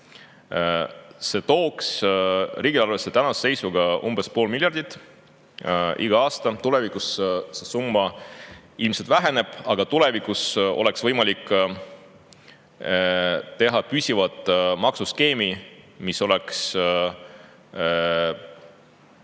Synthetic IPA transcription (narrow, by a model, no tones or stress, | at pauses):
se̞t̪o̞ːksriːɡ̥ilɑrve̞sːe̞t̪ænɑsse̞jsuɡ̥ɑʔumb̥e̞spo̞ːlmiljɑrd̪̥it̪ːˑ | ʔiɡ̥ɑɑːst̪ɑt̪ule̞vikussesumːɑ | ilmselt̪væɦe̞ne̞b̥ɑɡ̥ɑt̪ule̞vikːˑuso̞̰le̞ksvɤjmɑlikː | t̪e̞ɦɑpysʲivɑt̪ːˑmɑksuske̞ːmi | miso̞le̞ks